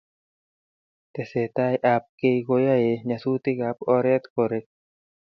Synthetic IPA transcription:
t̪e˨se˨t̪a˦jʔa˧p̚ke˧jko˧ja˦je˨ɲa˨su˦t̪i˦ka˨pɔ˧ɾɛ˦t̪ko˨ɾe˧k̚

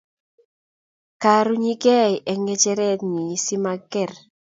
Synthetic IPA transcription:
ka˨ɾu˦ɲi˦ɡɛ˦˨ʔɛ˨ŋɛ˦t͡ʃɛ˦ɾɛ˦t̪̚ɲi˨˦si˦ma˦ɡɛ˨r

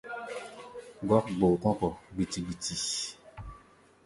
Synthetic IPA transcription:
ɡɔ˦k̚ɡ͡bo˨kɔ˦kɔ˨ɡ͡bi˨ti˨ɡ͡bi˨ti˨

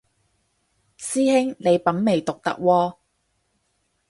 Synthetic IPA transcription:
siː˥hɪ˥ŋne˨˧jpɐ˨˥nme˨˩jt̪ʊ˨k̚t̪ɐ̰˥k̚wɔː˧

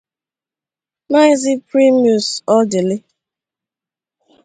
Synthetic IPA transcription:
na˦zi˦pɾi˦mi˨u˨sɔ˦de˨le˦

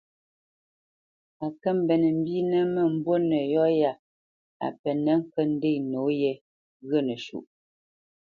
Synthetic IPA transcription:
a˨kə˦m̩˦bɛ˨nə˨m̩˦bi˦nə˦mə˦˨m̩˦bwo˦nə˨jɔ˦ja˨ | a̰˨pɛ˨nɛ˨˦ŋ̩˦kə˦n̩˦de˦˨no˨˦jɛ˨ | ɣə˦˨nə˨ʃṵ˨ʔ

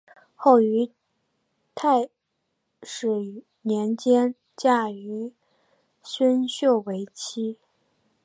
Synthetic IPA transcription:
xo˥˩ʊy˧˥ | t̪ʰa˥˩ɪ | ʂɻ̩˨˩ | njɛ˧˥nt͡ɕjɛ˥n | t͡ɕja˥˩y˧˥ | ɕə˥nɕjo˥˩ʊwe˧˥ɪt͡ɕʰi˥

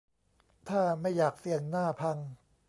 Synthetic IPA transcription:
t̪ʰaː˥˩ma˥˩jːaː˨˩k̚si˨˩˦əŋnaː˥˩pʰa˧ŋ

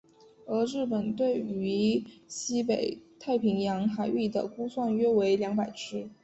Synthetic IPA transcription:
ɤ˧˥ɻɻ̩˥˩pə˨˩nt̪we˥˩ɪy˧˥ɕi˥pe˨˩ɪt̪ʰa˥˩ɪpʰi˧˥ŋjɑ˧˥ŋxa˧˥ɪy˥˩d̪ə̰˩ku˥swa˥˩nɥɛ˥we˧˥ɪljɑ˧˥ŋpa˨˩ɪʈ͡ʂʰɻ̩˥

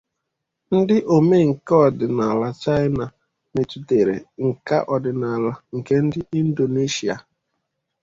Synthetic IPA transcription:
n̩˦dɪ˦ʔo˨me˦ŋ̩˨ke˦ɔ˨dɪ˨na˨la˦t͡ʃa˦ɪ˦na˨ | ne˨tu˨te˨ɾḛ˨ŋ̩˨ka̰˦ʔɔ˨dɪ˨na˨la˦ŋ̩˨ke˦n̩˦dɪ˦i˦n̩˦do˨ne˦ʃi˨a̰˨

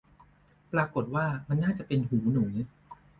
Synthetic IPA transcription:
pɾaː˧ko˨˩t̪̚waː˥˩ma˧nːaː˥˩t͡ɕa˨˩pe˧nɦuː˩˦nuː˩˦

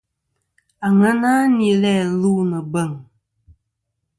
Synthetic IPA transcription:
a˨ŋa˦naː˦ni˨˦lɛ˦˨lu˦nə˨bə˦˨ŋ

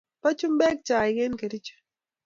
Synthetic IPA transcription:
pa˦t͡ʃu˦mbɛ˦k̚t͡ʃa˨ɪ˨ɡe˦nke˨ɾi˦t͡ʃe̥˨

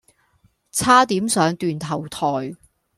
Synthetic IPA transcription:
t͡sʰaː˥t̪iː˨˥msœː˨˧ŋt̪yː˨nt̪ʰɐ˨˩wt̪ʰɔː˨˩j

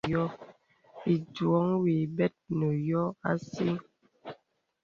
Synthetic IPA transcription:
ɔ˦ | i˨dwɔ˨˦ŋwi˨bɛ˦t̚nə˨jɔ˦a̰˦si˦

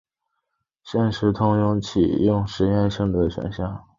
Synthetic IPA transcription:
ɕjɛ˥˩nʂɻ̩˧˥t̪ʰʊ˥ŋjʊ˥˩ŋt͡ɕʰḭ˨˩jʊ˥˩ŋʂɻ̩˧˥jɛ˥˧nʂɤ˥˧ŋd̪ə˨˩ɕɥɛ̰˧˥nɕjɑ˥˩

